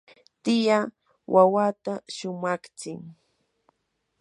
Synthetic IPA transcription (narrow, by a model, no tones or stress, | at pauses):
t̪ɪja | wʔawat̪aʃʊmakt͡sɪŋ